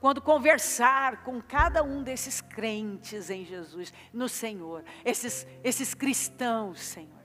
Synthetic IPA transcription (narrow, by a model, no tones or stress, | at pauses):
kwɐ̃nd̪ʊkõveɾsaɾkõkad̪ɐũd̪esɪskɾẽnt͡ʃɪzẽj̃ʒezus | nʊsẽɲoɾesɪs | esɪskɾist̪ɐ̃w̃sːẽɲoɾ